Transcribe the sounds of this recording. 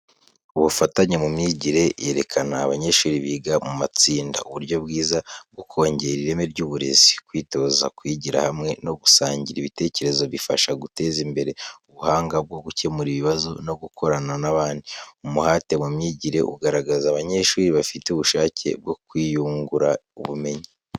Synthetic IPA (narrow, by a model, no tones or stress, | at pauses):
uβufataɲemumɲiːɟiɾe̞jeɾe̞kʰanaːβaɲe̞ʃuːɾiβiɡamumat͡siːnda̰uβuɾɟo̞bɡiːzab̚ɡokʰo̞ːɲɟe̞ɾiɾe̞me̞ɾɟuːβuɾe̞̰zi̥kwiːto̞za̰kwiɟiɾa̰hamŋe̞no̞ɡu̥saːɲɟiɾiβite̞ːce̞ɾe̞zo̞βifaʃaɡute̞zimbe̞ɾe̞uβuhaːŋɡab̚ɡo̞ɡuce̞muɾiβiβazo̞no̞b̚ɡukʰo̞ɾananaβaːndiumuhaːte̞mumɲiːɟiɾe̞̰ʔṵɡaɾaɡazaːβaɲe̞ʃuːɾiβafiteuβuʃaːcʰe̞̰b̚ɡo̞kwiːjuːŋɡuɾauβume̞ɲi